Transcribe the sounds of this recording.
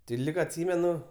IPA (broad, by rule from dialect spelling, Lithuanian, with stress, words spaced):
tʲɪ ˈlʲiːk ɐtʲˈsʲiːmʲɛnʊ